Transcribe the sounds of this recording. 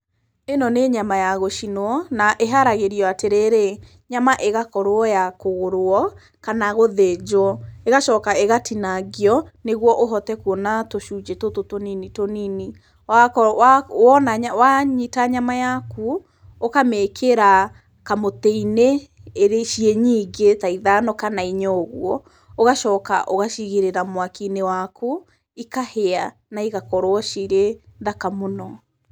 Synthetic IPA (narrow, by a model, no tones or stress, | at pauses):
enɔneɲamajaɣoʃinoɔnaʔeɦaɾaɣeɾiɔateɾeɾe | ɲamaʔeɣakɔɾoɔjakoɣoɾoɔ | kanaɣoðed͡ʒoɔeɣaʃɔːkaeɣatʰinaɡeɔneɣwɔʔoɦɔtɛkwɔnatoʃuːd͡ʒetototoninitonini | waawɔnaawaɲitaɲamajaku | okamekʰeɾa | kamoteine | eɾeʃiɛɲiːɡetaiðanɔkanaiɲɔɣwɔ | oɣaʃɔːka̰ʔoɣaʃiɣeɾeɾamwakinewakʰu | ikahea | naiɣakɔɾwɔʃiɾeðakamonɔ